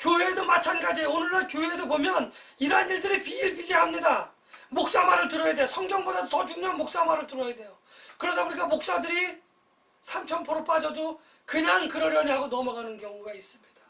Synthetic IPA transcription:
kjoɦedomat͡ɕʰanɡad͡ʑionɯɭːankjoɦedobomjʌn | iɾaniɭdɯɾipiːɭpid͡ʑiɦamɲida | mok̚s͈amaɾɯɭtɯɾʌjade̞josʰʌŋɡjʌŋbodad̪otʌt͡ɕuŋɲoanmok̚s͈amaɾɯɭtɯɾʌjade̞jo | kɯɾʌdauɲik͈amok̚s͈adɯɾi | sʰamt͡ɕʰʌnpoɾop͈ad͡ʑʌdo | kɯɲaŋkɯɾʌɾjʌɲiɦaɡonʌmaɡanɯnkjʌŋuɡais͈ɯmɲid̥ḁ

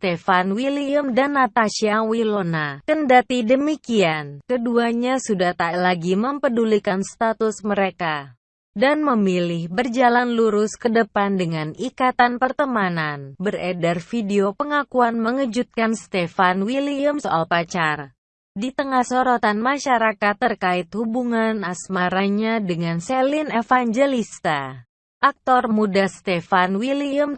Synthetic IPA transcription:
st̪efanwiliəmdanːat̪aʃiawilonakəndat̪idəmikiankəduaɲasudaht̪alaɡiməmpədulikanst̪at̪ʊsməɾeka | danməmilɪhbərd͡ʒalanluɾʊskədəpandəŋanikat̪anpərt̪əmananbəredarfideopəŋakuanməŋəd͡ʒut̪̚kanst̪efanwiliəmsoʔalpat͡ʃar | dit̪əŋahsoɾot̪anmaʃaɾakat̪ːərkaɪt̪hubuŋanasmaɾaɲadəŋansɛlinefaɲd͡ʒelist̪a | ʔak̚t̪ɔrmudast̪efanwiliəm

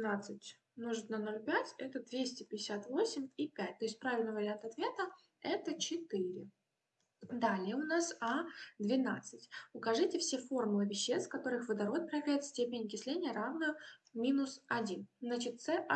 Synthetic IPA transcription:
nat̪sɨtʲ | noʐɨt̪nɐno̞lʲpʲætʲɛt̪əd̪vʲesʲtʲɪpʲɪdʲɪsʲat̪vo̞sʲɪmʲipʲætʲt̪o̞ɪsʲt̚ʲpɾavʲɪlʲnɨvəɾʲɪant̪ɐt̪vʲe̞t̪ə | ɛt̪ət͡ɕɪt̪ɨɾʲɪ̰ | d̪alʲɪjəʊnasad̪vʲɪnat̪sɨtʲʊkɐʐɨtʲɪfsʲefo̞rmʊlˠɨvʲɪɕːest̪fkɐt̪o̞ɾɨxvəd̪ɐɾo̞t̪̚pɾəjɪvlʲæjɪt̪sʲtʲepʲɪnʲɪkʲɪsʲlʲenʲɪjəɾavnəmʲinʊsɐdʲinznat͡ɕɪt̪t̪sɛʔ

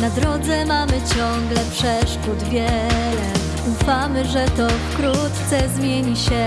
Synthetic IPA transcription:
nad̪ɾɔd̪zɛmamɘt͡ɕɔŋɡlɛpʂɛʂkud̪vʲjɛlɛ | ufamɘʐɛt̪ɔfkɾut̪t̪sɛzmʲjeɲiɕɛ

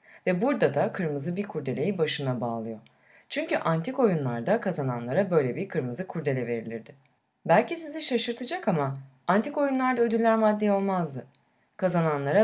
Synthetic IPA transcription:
vɛbuɾd̪ad̪akʰɯɾmɯzɯbiɾkʰuɾd̪e̞lʲe̞jibaʃɯnabaːlˠɯjo̞ | t͡ʃʰyɲcyʔant̪ʰiko̞junlˠaɾd̪akʰazananlˠaɾabø̞jlʲɛbiɾkʰɯɾmɯzɯkʰuɾd̪e̞lʲɛve̞ɾilʲiɾd̪ɪ | bælʲcisiziʃaʃɯɾt̪ʰɯd͡ʒakama | ant̪ʰiko̞junlˠaɾd̪aød̪ylːʲæɾmad̪ːeo̞lˠmazd̪ɯ | kʰazananlˠaɾa

